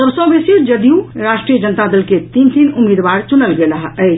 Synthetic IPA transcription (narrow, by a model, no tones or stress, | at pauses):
t̪əbsə̃besiud͡ʒəd̪iũɾasʈɾijəd͡ʒənt̪ad̪əlket̪int̪inumid̪ʋaɾt͡ʃunəlɡeləɦət͡ʃ